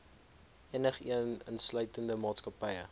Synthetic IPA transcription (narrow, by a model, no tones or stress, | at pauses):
iənəχiənənslœɥtəndəmɑːtskɐpɐjə